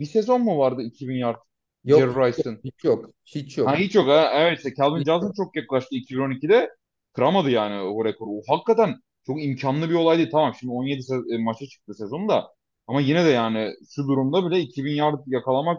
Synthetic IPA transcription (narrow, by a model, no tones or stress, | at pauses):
bise̞zo̞nmuvaɾd̪ɯicʰibinjaɾt̪ɯ | jeɾɾajsɯnijok | it͡ʃjohæɦit͡ʃjo̞kɛɛvɛt̪sɛcʰælʲˠbind͡ʒazɯnt͡ʃʰo̞kjaklˠaʃt̪ʰɯicʰibino̞nicid̪ɛ | kʰɯɾamad̪ɯjaːnɪhoɾekʰoɾuoɦakːat̪ʰæn | t͡ʃʰo̞kimcʰanlˠɯbio̞lˠajd̪iːlʲt̪ʰamamʃimd̪io̞nje̞d̪ismat͡ʃʰat͡ʃʰɯ̥k̚t̪ɯse̞zo̞nd̪a | amajinɛd̪ɛjaːnɪʃud̪uɾumd̪abilʲɛicʰibinjaɾt̪ɯjakʰalˠamak